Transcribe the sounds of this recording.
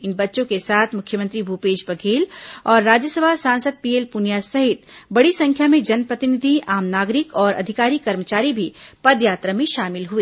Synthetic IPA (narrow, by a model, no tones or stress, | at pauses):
ɪnbɐtːʃõkesaːt̪ʰmʊkʰjəmə̃nt̪ɾibʱupeːʃpɐɡʰʱeːlɔːɾːaːd͡ʒjəsəbʱasãːnsəd̪̚piːeːlpʊnjasɐɦɪt̪bɐɽisɐ̃ŋkʰjamẽd͡ʒɐnpɾɐt̪ɪnɪd̪ʱiaːmnaːɡɾɪkɔːɾʔɐ̰d̪ʱɪkaːɾikɐɾmət͡ʃaːɾibʱipɐd̪jaːt̪ɾəmẽʃaːmɪlɦueː